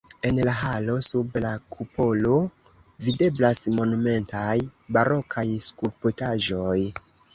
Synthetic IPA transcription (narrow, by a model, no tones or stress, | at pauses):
e̞nlaɦalo̞sublakʰupo̞lo̞ | vide̞blasmo̞nume̞ntajbaɾo̞kʰajskulpotaʒo̞j